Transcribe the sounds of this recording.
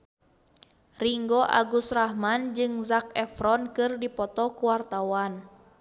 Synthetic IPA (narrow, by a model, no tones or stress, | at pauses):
riŋɡɔʔa̰ɡusrahmand͡ʒɨŋzak̚ɛfɾɔnkɨrdipɔt̪ɔkuwart̪awan